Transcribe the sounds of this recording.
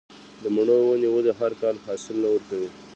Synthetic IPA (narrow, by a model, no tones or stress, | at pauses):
d̪əmaɳowaniwəd̪eɦaɾkɑlhɑsɪlnawəɾkawi